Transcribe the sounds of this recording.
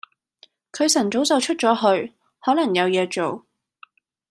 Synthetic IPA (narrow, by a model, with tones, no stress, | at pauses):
kʰɵ˨˧ɥsɐ˨˩nt͡so˨˥wt͡sɐ˨wt͡ʃʰɵ˥t̚t͡sɔː˨˥ɦɵ˧ɥ | hɔː˨˥lɐ˨˩ŋjɐ˨˧wjɛː˨˧t͡so˨w